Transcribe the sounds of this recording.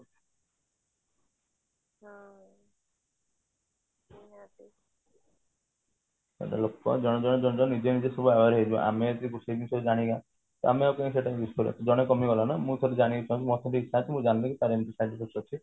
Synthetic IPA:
ɔ̰ɽa̰lokɔ̰d͡ʒɔɽ̃ɔd͡ʒɔɽ̃ɔd͡ʒɔ̃ɔd͡ʒɔnid͡ʒenid͡ʒesɔbuabaɾɦed͡ʒũʔa̰met̪ikusebisɔbed͡ʒaɽ̃iɡã | t̪ameawkaĩs̬eʈaĩbisoɾḛk̪ɔd͡ʒɔɽ̃ekɔmiɡɔlanamũt̪ʰɔɾed͡ʒaɽ̃iet͡ʃaɦũt͡ʃʰimɔt̪ʰɔɾiit͡ʃʰːaːt͡ʃʰimũd͡ʒanilekit̪aɾemt̪isaʈipʰik̚ɔt͡ʃʰi

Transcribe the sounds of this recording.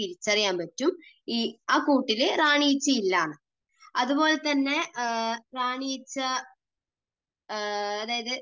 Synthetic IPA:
iɾit͡ɕːɐrijaːnpɐtːum | iaːkuːʈːilɨraːɳijit͡ɕːɐilːaːɳɨ | ɐðubo̞ːlet̪ɐnːe̞ | raːɳijit͡ɕːɐ | ɐðaːjɐðɨ

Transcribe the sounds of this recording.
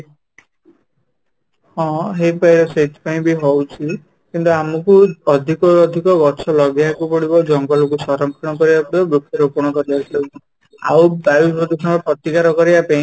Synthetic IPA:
hɔ̃ɦejpajɾɔset̪ʰi̥paĩbiɦɔwt͡ʃʰi | kint̪uamɔkuɔd̪ʱikɔɾɔd̪ʱikɔɡɔt͡ʃʰɔlɔɡjakupɔɽibɔd͡ʒɔŋɡɔlɔkusɔɾɔŋkʰɔɽ̃ɔkɔɾibapɔbɾukʰɔɾɔpuɾɽ̃ɔkɔɾibakʰilewt͡ʃʰi | a̰wbaipɾɔd̪usʰɔnɾɔpɾɔt̪ikaɾɔkɔɾibapaĩ

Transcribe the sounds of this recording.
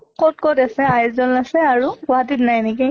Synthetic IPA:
kɔt̚kɔtasɛajszɔnasɛaɹuɡɔɦatitnajnikɛ

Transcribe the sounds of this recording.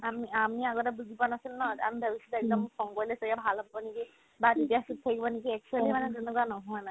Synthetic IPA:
amiamiaɡɔtabuzipanasilnɔa̰mibʱəbisitɛk̚dɔmsɔŋkɔɹilɛsɔiabʱalɦabibɔniki | batitijasutʰakibɔnekiɛk̚t͡ʃualimanɛzenukuanɔɦɔjna

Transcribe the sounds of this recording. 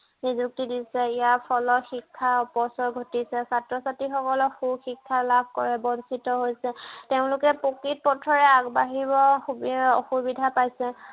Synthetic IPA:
nizuk̚tidisɛijapʰɔlɔxikʰːaɔpɔsɔɹɡʱotisɛsatɹɔsatixɔkɔlɔxuxikʰːalabʱkɔɹɛbɔnsitɔɦojsɛteʊ̃lʊkɛpokit̚pɔtʰɔɹɛaɡbaɦibɔxuɔ̰xubidʱapajsɛ

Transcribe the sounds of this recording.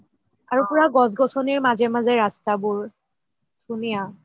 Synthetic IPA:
aɹupʊɹaɡɔs̬ɡɔsɔniɹmazɛmazɛɹastabuɹ | sunija

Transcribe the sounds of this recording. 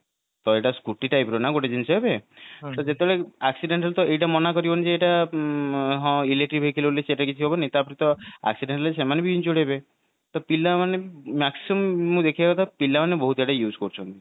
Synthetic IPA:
t̪ɔeʈaskuʈiʈajpɾonaɡoʈed͡ʒint͡ʃʰeɦebet̪ɔd͡ʒet̪ebeɭeaksiɖeɳʈelt̪ɔʔejʈamɔnakɔɾibɔned͡ʒeːʈa | ɦɔ̃ileʈɾibʱekʰileoleseʈakit͡ʃʰiɦobɔnit̪apɔɾit̪ɔa̰ksiɖeɳʈlesemanebiind͡ʒoɽebe | t̪ɔpilamanemaksiumːũd̪ekʰibat̪apilamanebɔɦut̪eʈajud͡ʒkɔɾt͡ʃʰɔnt̪i

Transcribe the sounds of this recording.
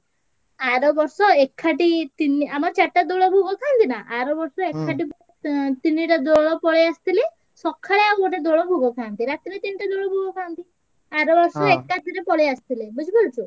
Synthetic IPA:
aɾɔbɔɾsɔekʰːaʈit̪iniamɔɾt͡ʃaʈːad̪oɭɔbʱuɡɔk̪ʰant̪inaʔaɾɔbɔɾsɔekʰːaʈ̬i | t̪iniʈad̪oɭɔpɔɭeast̪ile | sɔkʰːaɭeaboʈed̪oɭɔbʱuɡɔkʰant̪iɾat̪iɾet̪iniʈad̪oɭɔbʱuɡɔkʰant̪i | aɾɔbɔɾsɔekːad̪ʱiɾepɔɭeast̪ilebud͡ʒʰibult͡ʃʰu

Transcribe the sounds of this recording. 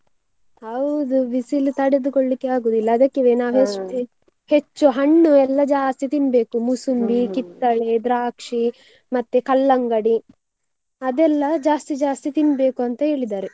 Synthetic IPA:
hɐwd̪uʋisilut̪ɐɽed̪ukoɭːikːeaːɡuːd̪ilːɐːd̪ɐkːeʋeːnaːɦest̪i | het͡ʃːuɦɐɳːuɛlːɐd͡ʒaːst̪it̪imbe̞ːkumusumbikit̪ːɐɭed̪ɾaːkʂi | mɐt̪ːekɐlːɐŋɡɐɽi | ɐd̪ɛlːɐd͡ʒaːst̪id͡ʒaːst̪it̪imbe̞ːkuɐnt̪ɐe̞ːɭid̪aːɾe

